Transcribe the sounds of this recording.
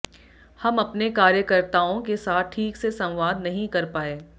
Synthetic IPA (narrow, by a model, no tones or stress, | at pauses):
hɐmɐpnekaːɾjəkəɾt̪aːõkesaːt̪̚ʰʈʰiːksesɐ̃wʋaːd̪nɐɦĩkɐɾpaːeː